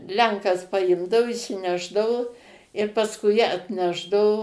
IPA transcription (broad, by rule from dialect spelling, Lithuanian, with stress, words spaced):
ˈlʲɛŋkɐs pɐˈɪmdɐʊ ɪʃʲsʲɪˈnʲæːʒdɐʋʊ ɪr pɐsˈkʊɪ ɐtʲˈnʲæːʒdɐʋoː